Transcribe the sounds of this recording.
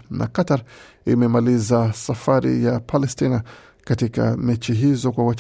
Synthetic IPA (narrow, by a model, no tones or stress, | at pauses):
nʔa̰kataɾ | imɛmalizasafaɾḭjapʰalɛstina | katika̰mɛt͡ʃiɦizɔkwawat͡ʃ